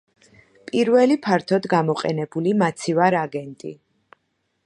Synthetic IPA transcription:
pʼiɾvɛlipʰaɾt̪ʰɔd̪ɡamɔqʼɛ̰nɛbulimat̪sʰivaɾaɡɛnt̪ʼḭ

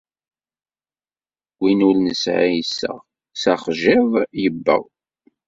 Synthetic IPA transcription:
winulnəsʕajsːə̰ʁ | sæχʒivjəbːə̰w

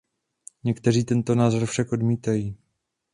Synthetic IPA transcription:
ɲɛkt̪ɛr̝iːt̪ɛnt̪o̞naːzoɾfʃakʔo̞dmiːt̪ajiː

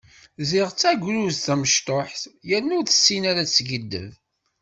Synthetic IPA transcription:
zɪʁt͡sːæɡʷɾuzθæməʃt̪ˤoħθjænːʊɾθəsːinaɾæt͡sːɡəd̪ːə̰v

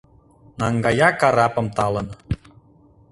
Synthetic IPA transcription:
nɑŋɡɑjɑkɑɾɑpə̆mt̪ɑlən

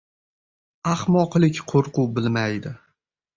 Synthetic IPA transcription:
ahmɒqlˠɪkʲqʰoɾqʊbɪlmajd̪ɪ

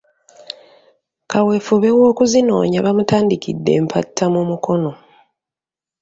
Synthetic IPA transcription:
kawe̞fuβe̞wo̞ːkuzino̞̰ːɲaβamutaːndikʰḭdːe̞̰ːmpʰatʰːamumuko̞no̞

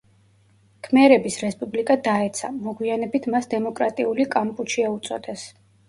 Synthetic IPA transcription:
kʰmɛɾɛbisɾɛspʼublikʼad̪aɛt̪sʰa̰mɔɡwianɛbit̪ʰmasd̪ɛmɔkʼɾat̪ʼiulikʼampʼut͡ʃʰiaut̪sʼɔ̰d̪ɛs

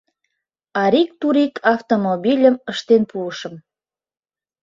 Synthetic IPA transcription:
ɑɾikt̪uɾikʰɑft̪omobilʲəməʃt̪enpuəʃə̆m

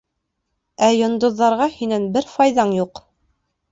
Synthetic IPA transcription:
æjŏnd̪ŏðːɑɾʁɑhinænbɘɾfɑjðɑɴjuq

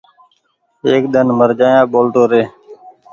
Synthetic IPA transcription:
eːk̚d̪ənməɾd͡ʒaːjãːɓoːlʈ̪oːɾeː

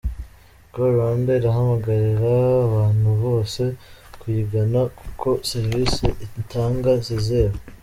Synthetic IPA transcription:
ɡ̥oɾambe̞iɾaɦamaɡaɾiɾaːβaːn̥huβo̞ːse̞kwiɡanaku̥kʰo̞se̞ɾvisiʔitaːŋɡazize̞ːβa

